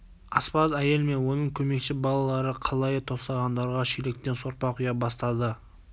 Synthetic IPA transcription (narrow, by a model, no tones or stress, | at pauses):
ɑspɑzæje̞lme̞nwo̞nəɴkʲʰɵme̞kʃɪbɑlˠɑlˠɑɾəqʰɑlˠɑjt̪ʰo̞st̪ɑʁɑnd̪ɑɾʁɑʃelek̚t̪e̞nso̞ɾpɑqʰʊjɑbɑst̪ɑd̪ə